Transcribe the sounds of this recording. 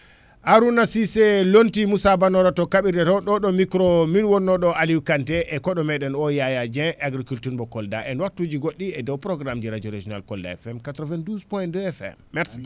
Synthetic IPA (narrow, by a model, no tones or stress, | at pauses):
aɾunasisɛlontimusabanɔɾatɔkaɓiɾdɛtɔɗɔɗɔmikɾɔminwɔnːɔɗɔaliwkantɛʔɛkɔɗɔmɛɗɛnɔjajad͡ʒɛaɡɾikultuɾbɔkɔldaʔɛnwatːud͡ʒiɡoɗːiɛdɔwpɾɔɡɾamd͡ʒɛɾad͡ʒɔɾed͡ʒɔna̰lkɔlda̰ɛ̰fɛmkatɾɔvɛnduspɔjndɛfɛ̰mːɛɾsi̥